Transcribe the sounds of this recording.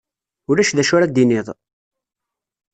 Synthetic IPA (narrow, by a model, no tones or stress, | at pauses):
ʊɾæʃðæʃʊɾad̪inɪðˤ